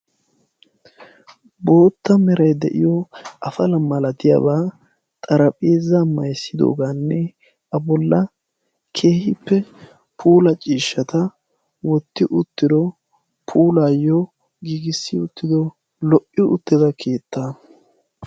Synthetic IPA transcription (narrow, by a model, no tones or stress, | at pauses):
bo̞ːt̪ːɐmɛɾɐjd̪ɛʔɪ̰jɔʔɐfɐlɐmɐlɐt̪ɪja̰ːbaː | t̪ʼɐɾɐpʼeːzɐmːɐjsːɪd̪o̞̰ːɡaːnːɛ | ʔɐbɔlːɐ | kʰe̞ːhɪpːɛ | pʰuːlɐt͡ʃʼiːʃːɐt̪ɐ | wɔt̪ːɪʔʊt̪ːɪd̪ɔ | pʰuːlaːjːɔ | ɡiːɡɪsːɪʊt̪ːɪd̪ɔ | lɔʔɪʔʊt̪ːɪd̪ɐkʰe̞ːt̪ːaː